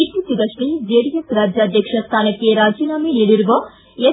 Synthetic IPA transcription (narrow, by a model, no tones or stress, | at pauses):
it̪ːisiɡɐʂlid͡ʒeːɽijɐsɾaːd͡ʒjaːd̪jɐkʂɐst̪ʰaːnɐkːeɾaːd͡ʒiːnaːminiɽiɾʋɐ | e